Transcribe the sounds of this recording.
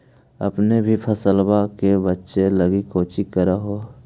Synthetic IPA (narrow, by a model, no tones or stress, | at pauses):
ə̰pnebʱipʰəsəlbakebətːʃeləɡikoːt͡ʃikəɾaɦoː